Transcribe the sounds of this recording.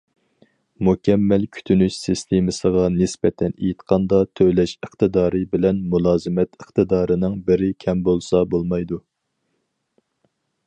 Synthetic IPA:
mukʲɛmːɛlkʲʰy̥t̪ʰynyʃsɨst̪ʰemɨsəʁɑnɪsbɛt̪ʰɛnejit̪qʰɑnd̪ɑt̪ʰøwlɛʃəχt̪ɨd̪ɑːɾɨbɪlɛnmulˠɑːzɨmɛt̪ʰəχt̪ɨd̪ɑːɾɨnɨŋbɪɾɪkʲʰɛmbolˠsɑbolˠmɑjd̪u

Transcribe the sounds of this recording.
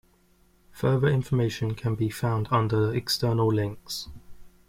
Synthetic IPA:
fɜːðəɹɪ̃ɱfəmeɪʃə̃nkʰə̃nbifãʊ̃ndʌ̃ndəɛkstɜːnəlˠlɛ̃ŋks

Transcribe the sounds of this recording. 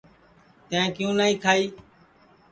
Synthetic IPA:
t̪ẽẽːkjũːnaːĩːkʰaːiː

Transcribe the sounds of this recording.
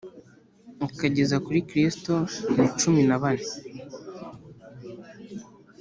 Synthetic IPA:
ukaɟe̞zakuɾikɾistonit͡ʃuminaβani

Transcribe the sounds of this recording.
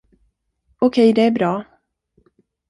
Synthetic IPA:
ɔkʰɛjd̪ɛæɾbɾɑː

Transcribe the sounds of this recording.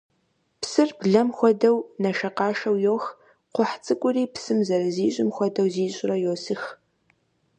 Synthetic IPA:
psɨrbɮɐmxʷɔdɐwnɐʃɐqɑːʃɐwjoːx | qʷʊħt͡sʼɨkʷʼʊriːpsɨmzɐɾɐziːɕʼɪmxʷɔdɐwziːɕʼɪrɐjoːsɨx

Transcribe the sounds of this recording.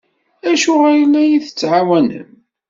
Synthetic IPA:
æʃʊʁæjəlːæjiθə̥t͡sːʕawænə̰n

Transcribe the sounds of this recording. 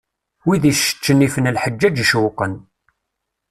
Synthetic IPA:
wiðiʃə̥t͡ʃːənːifənəlħəd͡ʒːæd͡ʒʃwqən

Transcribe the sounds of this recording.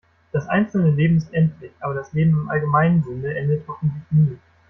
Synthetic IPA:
d̥asʔa̰ɪnt͡sl̩nəleːbm̩ɪstʔɛntʰlɪçʔaːbɐdasleːbm̩ɪmʔa̰lɡəmaɪnənzʊndəʔɛndəthɔfn̩tlɪçniː

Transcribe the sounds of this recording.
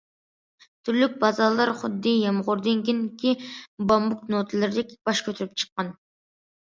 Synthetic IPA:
t̪ʰyɾlyk̚ʲbɑzɑlˠɑɾχʊd̪ːijɑmʁʊɾd̪eŋɡʲenkʲʰibɑmbuk̪̚not̪ʰɨlˠɪɾd̪ekʲb̥ɑʃkʲʰøt̪ʰyɾyp̚t͡ʃʰə̥qːɑn

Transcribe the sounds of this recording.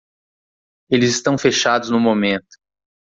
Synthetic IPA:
elɪzɪst̪ɐ̃w̃feʃad̪ʊznʊmomẽnt̪ʊ̥

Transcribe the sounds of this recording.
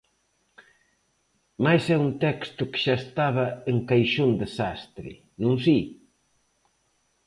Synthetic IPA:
majsɛunt̪ɛkst̪ʊkɪ̥ʃaest̪aβɐeŋkajʃond̪esast̪ɾɪ̰ | nũnsi

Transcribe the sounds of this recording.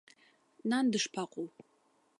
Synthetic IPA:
naːndɨʂpʰaqʷʼow

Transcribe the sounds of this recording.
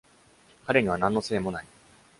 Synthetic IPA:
kaɾe̞ɲ̟iβ̞anãnːo̞se̞ːmo̞nai

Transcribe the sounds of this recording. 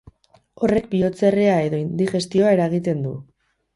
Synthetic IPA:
o̞re̞k̚bio̞t͡sereae̞ðoind̪ixe̞st̪io̞ae̞ɾaɣit̪e̞nd̪ṵ

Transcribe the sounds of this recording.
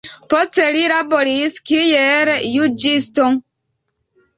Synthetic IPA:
pɔteɾiɾabɔɾiiskijɛɾɛjud͡ʒistoŋ

